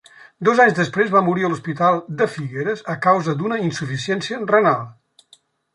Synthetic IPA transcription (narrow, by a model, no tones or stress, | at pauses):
d̪ɔzaɲzðəspɾezβamuɾiəluspit̪alˠd̪əfiɣeɾəzəkawzəd̪unəinsufisiɛnsiərənalˠ